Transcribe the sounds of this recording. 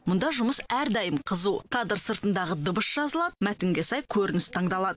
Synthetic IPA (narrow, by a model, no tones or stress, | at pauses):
mʊnd̪ɑʒʊməsæɾd̪ɑjəmqʰəzuwkʰɑd̪əɾsəɾt̪ənd̪ɑʁəd̪əbəʃʒ̥ɑzəlˠɑd̪əmæt̪ɪŋɡʲesɑjkʲʰɵɾɪnɪst̪ʰɑɴd̪ɑlˠɑd̪ə